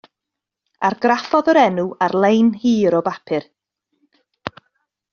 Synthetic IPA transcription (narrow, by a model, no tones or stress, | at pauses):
aɾɡrafɔðəɾɛnuarlˠejnhiːɾɔbapʰɪr